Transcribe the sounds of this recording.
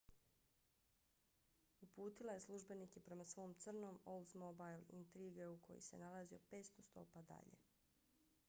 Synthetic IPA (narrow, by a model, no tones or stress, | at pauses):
upuːt̪ilˠaje̞slˠuʒbe̞nikepɾe̞masʋo̞ːmt̪sr̩no̞molˠzmobajlḭnt̪ɾiːɡe̞ukʰo̰jo̰se̞̰nalaziopeːtst̪o̞st̪o̞̰ːpad̪a̰ʎḛ